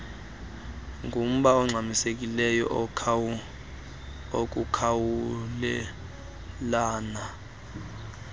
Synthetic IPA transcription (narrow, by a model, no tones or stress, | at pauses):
ŋɡʱum̩ɓaɔŋ͡ǀʱamisek̬ʼilɛjɔ̰ʔʰ | ok̬ukʰawulɛ | laːna